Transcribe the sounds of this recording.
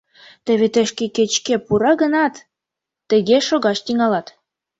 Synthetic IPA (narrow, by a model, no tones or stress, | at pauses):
t̪ə̆βet̪ə̆ʃkeket͡ɕkepuɾɑɣənɑt̪ː | ə̆ɣeʃoɣɑt͡ɕt̪iŋɑlɑt̪